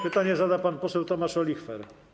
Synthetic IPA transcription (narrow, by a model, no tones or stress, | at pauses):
pɘt̪aɲɛzad̪apanpɔsɛwt̪ɔmaʂɔlʲixfɛɾ